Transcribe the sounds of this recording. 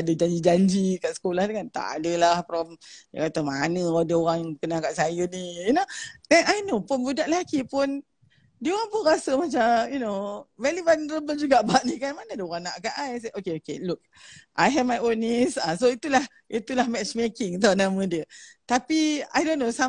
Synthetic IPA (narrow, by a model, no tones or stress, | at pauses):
adəd͡ʒaɲd͡ʒid͡ʒaɲd͡ʒikaʔsə̥kolahdkant̪a̰ʔa̰dəlahpɾɔmja̰kat̪amanəadəoɾaŋkənakaʔsajənijunoɛ̃najnopʊnbudaʔlakipʊn | dioɣaŋpʊnɾasəmat͡ʃamjunovɛlibanɾəbəd͡ʒuɡaʔbaʔnikanmanaadəoɣaŋnaʔkaʔajs̬aʔokeokeluk̚ | ʔajɦɛvmajonisasoit̪ulah | ʔit̪ulahmɛt͡ʃmekɪŋt̪̬awnamə̃diət̪apia̰jdõnːosa